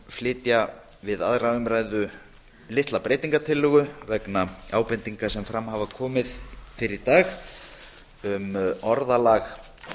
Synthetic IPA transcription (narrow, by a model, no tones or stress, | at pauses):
flɪːt̪ja | vɪða̰ðravʏmɾaːjðʏ | lɪht̪lapɾeːjt̪iŋkat̪ʰɪlːʏːɣʏvɛknaaːwpɛnt̪iŋkasɛmfɾamhavakʰɔːmɪðfɪɾɪɾt̪aːx | ʏmɔɾðalax